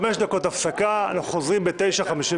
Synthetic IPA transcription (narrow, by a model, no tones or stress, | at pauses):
meʃd̪ako̞t̪aftakaa̰naχuχozʁimbe̞t̪e̞jʃaχamiʃi